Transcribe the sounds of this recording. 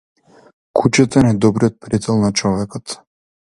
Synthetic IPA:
kut͡ʃat̪anɛd̪ɔbɾijɔt̪̚pɾit̪ɛlˠnat͡ʃɔvɛkɔt̪

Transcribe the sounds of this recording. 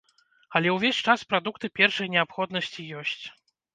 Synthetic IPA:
ɐlʲɛwvʲesʲt͡ʂaspɾad̪ukt̪ɨpʲɛrʂɐjnʲɛapxɔd̪nɐsʲt͡sʲijɔsʲt͡sʲ

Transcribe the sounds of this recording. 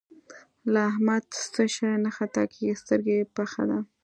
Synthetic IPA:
laːɦmad̪st̪əʃanaxat̪ɑ̰kist̪əɾɡepaxa̰d̪a

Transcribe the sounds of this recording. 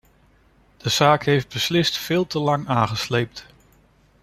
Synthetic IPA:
d̥əz̥aːkɦejfd̚bəslɪstfɪːlˠtəlɑŋaːχəslejp̚t

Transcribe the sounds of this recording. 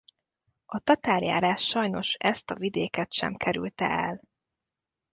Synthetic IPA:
ɒt̪ɒt̪aːlja̰ːɾaːʃːɒjno̞ʃɛst̪ɒvid̪eːkɛt̪ʃɛ̰mkʰɛɾy̰lt̪ɛ̰ɛl

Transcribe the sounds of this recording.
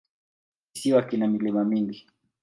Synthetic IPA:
kisiwakinamilimamiŋɡi

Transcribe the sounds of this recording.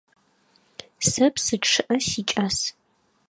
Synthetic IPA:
sɐpʰsɨʈ͡ʂʰːɨʔɐsit͡ʃʼas

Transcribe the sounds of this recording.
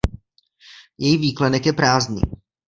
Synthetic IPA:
jɛjiviːklɛnɛkjɛpɾaːznḭː

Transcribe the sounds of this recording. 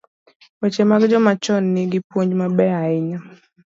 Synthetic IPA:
wɛt͡ʃɛmaɡid͡ʒɔmat͡ʃɔnːiɡipɔɲd͡ʒmabɛaiɲa

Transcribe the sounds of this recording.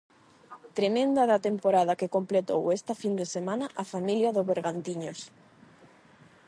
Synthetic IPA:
t̪ɾemẽnd̪ɐðɐt̪empoɾað̞ɐkekomplet̪owest̪ɐfind̪esemanɐʔafamiljɐðozβeɾɣant̪iɲos

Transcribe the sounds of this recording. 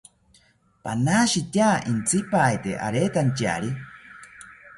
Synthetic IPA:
panaːʃit̪ʲjaːʔint͡sʰipajt̪ḛʔa̰ɾeːt̪ant͡ʃa̰ɾi

